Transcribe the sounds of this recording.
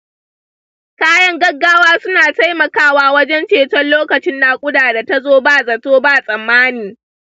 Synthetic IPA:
kaː˦jɐ˦ŋɡɐ˦ɡːaː˦waː˦sʊ˦naː˨ta˦jmɐ˨kaː˦waː˦wɐ˦d͡ʒɛ˦nt͡ʃeː˨tɔ˦nloː˦kɐ˨t͡ʃɪ˦nːaː˨kʷʼʊ˦daː˨da˨ta˦zoː˦baː˦˨zɐ˨toː˦baː˦˨sʼɐ˨mːaː˦niː˨

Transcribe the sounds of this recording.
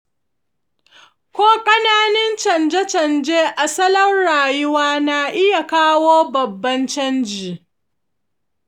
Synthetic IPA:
kʷoː˦kʼɐ˦naː˦nɪ˦nt͡ʃɐ˨nd͡ʒɐ˦t͡ʃɐ˨nd͡ʒeː˦ʔa˨sɐ˦lɐ˦nɽaː˨jʊ˦waː˦na˨ʔɪ˦ja˨kaː˦woː˦bɐ˨bːɐ˦nt͡ʃɐ˦nd͡ʒiː˨

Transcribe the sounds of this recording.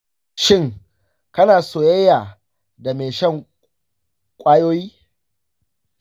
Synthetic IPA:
ʃɪ˦˨ŋ | kɐ˦naː˨soː˨jɐ˦jːaː˨ | da˨me˨ʃɐ˦˨ŋ | kʷʼaː˦joː˦jiː˦

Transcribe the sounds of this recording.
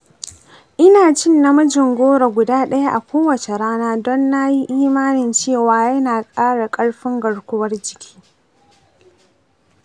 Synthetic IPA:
ʔɪ˦naː˨t͡ʃɪ˦nːa˦mɐ˦d͡ʒɪ˨ŋɡʷoː˦ɽa˨ɡʷʊ˨daː˦ɗɐ˦ja˦ʔa̰˨kʷoː˦wɐ˨t͡ʃe˨ɽaː˦naː˦dɔ˦nːa˦ji˦ʔiː˦maː˦nɪ˨nt͡ʃeː˦˨waː˨jɐ˦naː˨kʼaː˦ɽa˨kʼɐ˦ɽɸɪ˦ŋɡɐ˨ɽkʷʊ˦wɐ˦rd͡ʒɪ˨kʲʰi̥ː˦

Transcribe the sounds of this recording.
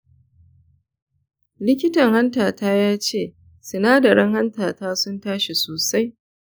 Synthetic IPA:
lɪ˦k̬ʲɪ˦tɐ˨ŋha˦ntaː˨taː˦jaː˦t͡ʃeː˦˨ | sɪ˨naː˦dɐ˨ɾɐ˦ŋha˦ntaː˨taː˦sʊ˦ntaː˦ʃe˨soː˨sa˦j

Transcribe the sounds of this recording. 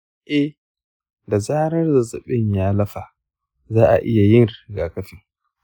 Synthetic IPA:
ʔɛ˦h | da˨zaː˦ɾɐ˦rza˨zɐ˨ɓɪ˦ɲjaː˦lɐ˦ɸa˨ | zaː˦ʔa̰˨ʔɪ˦ja˨jɪ˦nɾɪ˨ɡaː˨kɐ˦fɪ˦ŋ

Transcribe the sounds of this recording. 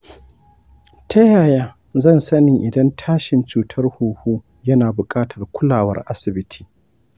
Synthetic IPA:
tʰɐ˦jaː˨jaː˦ | zɐ˦˨nsɐ˦nɪ˨ŋʔɪ˨dɐ˦ntʰaː˦ʃɪ˨nt͡ʃuː˨tʰɐ˦rhuː˨huː˦ | jɐ˦naː˨bʊ˨kʼaː˦tʰɐ˨rkʷʰʊ˦laː˨wɐ̰˦rʔa̰˦sɪ˨bɪ˦tʰi̥ː˨

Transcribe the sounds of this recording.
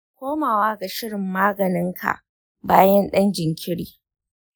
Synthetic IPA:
kʷoː˦maː˨waː˦ɡa˨ʃɪ˦ɽɪ˨mːaː˦ɡɐ˨nɪ˦ŋkʰa̰˨ʔ | baː˦jɛ˦nɗɐ˦nd͡ʒɪ˨ŋkʲɪ˦ɽiː˨

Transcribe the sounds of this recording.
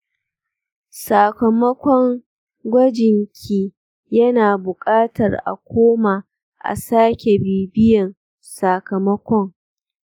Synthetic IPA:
sa˨kɐ˨mɐ˦kʷɔ˦ŋ | ɡʷɐ˦d͡ʒɪ˨ŋkʲʰiː˦ | jɐ˦naː˨bʊ˨kʼaː˦tɐ˨rʔa̰˨kʷoː˦ma˨ | ʔa̰˨saː˦kʲe˨biː˨bɪ˦jɐ˨n | sa˨kɐ˨mɐ˦kʷɔ˦ŋ

